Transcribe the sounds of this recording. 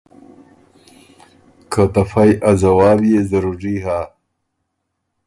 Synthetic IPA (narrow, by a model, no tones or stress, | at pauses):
kʰat̪afajʔazawaːbjezaɾuɾiɦa